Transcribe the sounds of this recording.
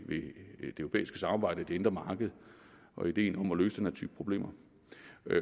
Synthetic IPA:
ʋe̝d̥e̝øʊopḛːisɡ̥əsɑ̈mɑ̈ːbɑ̈ɪ̰d̥əd̥e̝e̝nd̥ʁɐmɑ̈ːɡ̥əð̞̩ˠ | ʔɒ̽id̥e̝̰ːnɒ̽mɒløːsəd̥enhæɐ̰t͡sʰy̰ːb̥pʰʁo̝b̥le̝̰ːmɐ

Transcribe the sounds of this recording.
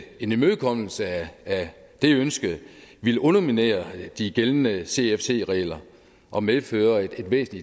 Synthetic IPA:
e̝nmøðˠkʰɒ̽m̰l̩səæ | d̥e̝ønsɡ̥əð̩ˠʋilʔɔ̽nɐmine̝̰ːɐd̥iɡ̥eln̩əse̝efse̝̰ːʁɛ̰ːlɐ | ʔɒ̽meðˠføːɐe̝d̥ʋḛːsn̩li

